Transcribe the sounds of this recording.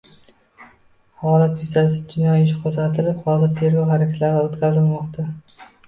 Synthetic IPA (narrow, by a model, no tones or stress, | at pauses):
hɒlat̪vɪzasɪd͡ʒɪnɒjɪʃqʰozat̪ʰɪlɪphɒzɪɾt̪ʰe̞ɾɡʲɒwɦaɾakʲʰat̪laɾɪot̪kʲazɪlmɒqt̪ʰa